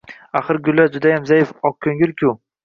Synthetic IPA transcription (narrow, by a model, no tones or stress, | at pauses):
aχɨɾɡʲʊlːad͡ʒʊd̪ajamzajɪfɒk̚kʰːɵŋɪlkʲʰʊ